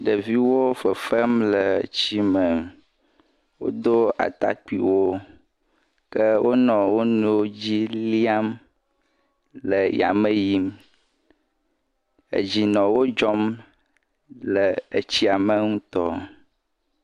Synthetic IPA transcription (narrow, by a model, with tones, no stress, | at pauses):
ɖə˨vi˦wo˦fə˨fə˦mlə˨t͡ɕi˦mə˨ | wo̰˦d̪o˦a̰˨t̪a̰˦k͡pḭ˨wo˦ | kə˦wʔo˦nɔ̃˨wo˦nũ˦o˦d͡ʑi˦li˦a˦m | lə˨ja̰˨mə˦ji˦m | ə̰˨d͡ʑi˨nɔ̃˨wo˦d͡ʒɔ˦m | lə˨ə˨t͡ɕi˦a˨mə˦ŋũ˦t̪ɔ˦